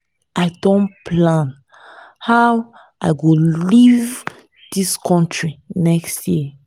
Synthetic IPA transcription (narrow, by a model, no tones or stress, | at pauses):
ʔaɪdɔ̃npʰlãn | haw | ʔaɪɡoliv | d̥iskʰɔ̃ntɹinɛkstji